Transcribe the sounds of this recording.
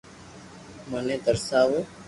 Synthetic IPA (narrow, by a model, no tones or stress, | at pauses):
mənẽːd̪əɾsaːʋoː